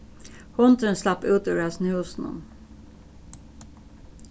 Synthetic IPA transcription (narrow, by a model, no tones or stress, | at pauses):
hɔnt̪ɾənslɑpʉːt̪ʉːɾæsnhʉːsn̩ə̰n